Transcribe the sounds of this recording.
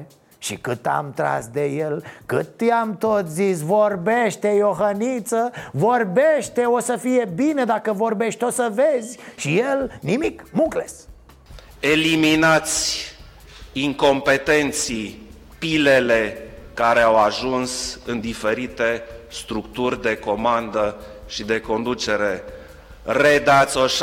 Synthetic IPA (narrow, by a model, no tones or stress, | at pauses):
ʃikɨt̪a̰mt̪ɾa̰sd̪e̞jelkɨt̪jamt̪o̞t̪zis̬vo̞rbeʃt̪e̞joxənit̪səvo̞rbeʃt̪e̞o̞səfije̞bined̪akəvo̞rbe̞ʃt̪ot̪səvezʲʃijelnimikmukles | eliminat̪sʲ | iŋko̞mpe̞t̪e̞nt̪si | pilele̞kaɾeawaʒunsɨnd̪ife̞ɾit̪e̞st̪ɾukt̪urʲd̪e̞ko̞mand̪ə | ʃid̪e̞ko̞nd̪ut͡ʃe̞ɾe̞ | red̪at̪sʲoʃ